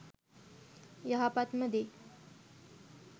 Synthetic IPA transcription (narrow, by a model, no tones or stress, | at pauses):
jɐɦapat̪məd̪e